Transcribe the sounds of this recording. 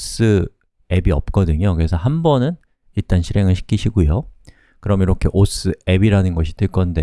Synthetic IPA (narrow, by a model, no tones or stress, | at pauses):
s͈ɯ | e̞biʌp̚k͈ʌdɯɲokɯɾe̞sʰʌɦambʌnɯn | iɭt͈anɕʰiɾe̞ŋɯɭɕʰi̥kʰiɕʰiɡujo | kɯɾʌmiɾʌkʰe̞ʔos͈ɯe̞biɾanɯnɡʌɕʰi̥t͈ɯɭk͈ʌnde̞